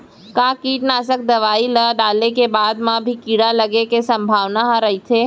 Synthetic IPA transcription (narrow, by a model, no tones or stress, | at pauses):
kaːkiːʈnaːsək̚d̪ɐʋaːiləɖaːlekebaːd̪mãbʱikiːɽalɐɡekesɐ̃mbʱaːʋnaɦãɾɐɦit̪ʰeː